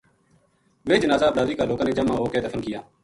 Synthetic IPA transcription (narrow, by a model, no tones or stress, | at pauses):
ʋeːd͡ʒənaːzaːblaːʋiːkaːloːkãːnẽːd͡ʒəmãːɦoːkeːd̪əfʰənkɪjaː